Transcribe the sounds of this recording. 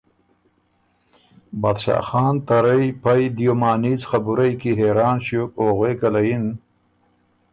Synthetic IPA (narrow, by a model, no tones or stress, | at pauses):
bad̪ɕa̰ːxɑːnt̪aɾajpajd̪ijomɑːniːt͡sxabuɾajkiɦeɾɑːnɕukoːɣweːkalajin